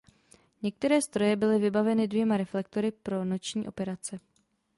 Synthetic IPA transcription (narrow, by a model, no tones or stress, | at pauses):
ɲɛk̚t̪ɛɾɛːst̪ɾo̞jɛbɪlɪvɪbavɛnɪdvjɛmaɾɛflɛk̚t̪o̞ɾɪpɾo̞no̞t͡ʃɲiːʔo̞̰pɛɾat͡sɛ